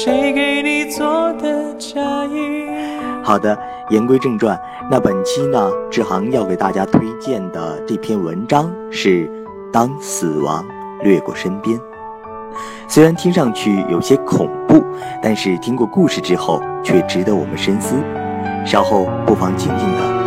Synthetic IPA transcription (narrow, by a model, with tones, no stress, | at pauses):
ʂe˧˥ɪke˨˧ɪni˨˩t͡swɔ˥˩d̪ə˧t͡ɕja˥˧i˧xɑ˨˩ʊd̪ə˦ | jɛ˧˥nkwe˥ɪʈ͡ʂɤ˥˧ŋʈ͡ʂwa˥˩n | na˥˩pə˨˩nt͡ɕʰi˥nə˨ʈ͡ʂɻ̩˥˩xɑ˧˥ŋjɑ˥˩ke˨˩ɪt̪a˥˩t͡ɕja˥t̪ʰwe˥ɪt͡ɕjɛ˥˩nd̪ə̰˩ʈ͡ʂɤ˥˩pʰjɛ˥˩nwə̰˧˥nʈ͡ʂɑ˥ŋ | ʂɻ̩˥˩ | t̪ɑ˥ŋsɹ̩˨˩wɑ̰˧˥ŋ | lɥɛ˥˧kwɔ̰˥˩ʂə˥npjɛ˥n | swe˥ɪɻa˧˥nt̪ʰi˥ŋʂɑ˥˧ŋt͡ɕʰy˥˩jʔo̰˨˩ʊɕjɛ˥kʰʊ˨˩ŋpu˥˩t̪a˥˧nʂɻ̩˥˩t̪ʰi˥ŋkwɔ˥˧ku˥˧ʂɻ̩˥˩ʈ͡ʂɻ̩˥xo˥˩ʊt͡ɕʰɥɛ˥˩ʈ͡ʂɻ̩˧˥d̪ə˧˦wɔ̰˨˩mə˦nʂə˥nsɹ̩˥ | ɕjɑ˥ʊxo˥˧ʊpu˥˩fɑ˧˥ŋt͡ɕi˨˩nt͡ɕi˥˩ŋd̪ə̰˩